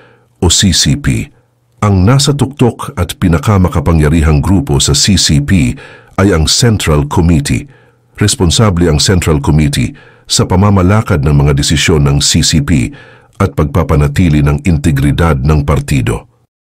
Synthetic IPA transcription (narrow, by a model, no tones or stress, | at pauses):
ʔosisipḭ | ʔɐŋnaːsɐt̪ʊk̚t̪okɐt̪pɪnɐkamɐkɐpɐŋjɐɾiːɦɐŋɡɾuːpo̞sɐsisipiʔɐjɐŋsɛnt̪ɾɐlkʰomit̪ʰḭ | ɾɛsponsablɛɐŋsɛnt̪ɾɐlkomit̪ḭ | sɐpɐmamɐlaːkɐd̪̚nɐŋmɐŋad̪ɛsɪsjo̞nːɐŋsisipḭ | ʔɐt̪̚pɐɡ̚papɐnɐt̪iːlɪnɐŋɪnt̪ɛɡɾɪd̪ad̪̚nɐŋpɐɾt̪iːd̪o̞̰